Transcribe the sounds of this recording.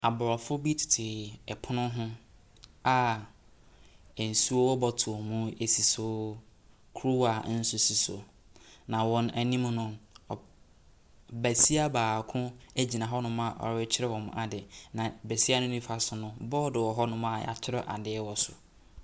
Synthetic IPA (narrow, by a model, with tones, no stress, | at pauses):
a˨bʊ˨ɾɔ˨fʊ˦bi˦tʰɪ̥˨tʰɪ˨ɛ˨pʰʊ˦nʊ̃˦ɦʊ̃˦ | a˦ | ɛ˨n̩˨su˦o˦wɔ˦bɔ˦tʰʊ˨ɔ˨mũ˦e˨si˨sʊ˨˦ | kʰɾu˦wa˨˦n̩˦sʊ˨˦si˨sʊ̰˨ | nã˨wɔ̃˨næ˨nĩ˦m˦nʊ̃˦˨ | bæ˨si˦a˦baː˨kʰʊ̃˦æ˦d͡ʑi˨nã˨ɦɔ˦nʊ̃˦mã˨ʔɔ̰˨˦ɪ˦t͡ɕʰɪ˦ɾɛ˦wɔ̃˨m˨˦a˨dɪ˨nã˨bæ˨si˦a˦nʊ̃˦nĩ˦fa˨sʊ˨nʊ̃˦bɔ˦dɪ˨wɔ˨ɦɔ˦nʊ̃˦mã˨j̰a̰˨t͡ɕʰɪ˦ɾɔ˦ʔa̰˨dɪ˦ɛ˦wɔ˨sʊ̰˨